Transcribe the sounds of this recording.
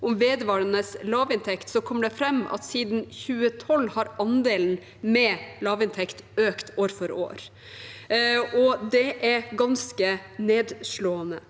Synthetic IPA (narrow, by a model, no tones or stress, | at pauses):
ʔʊmʋeːd̪əʋɑːɾənəslɑːʋɪnt̪ʰɛkt̪sɔkʰɔmːəɖɛfɾɛmːɑ̰t̪siːd̪nçʉːət̪ʰɔlːhɑɾɑnd̪eːln̩ | mɛlɑːʋɪnt̪ʰɛkt̪øːkt̪ʰoːɾfɔɾo̰ːɾ | ɔd̪ɛʔæɾɡɑnskəneːd̪ʂɭoːənə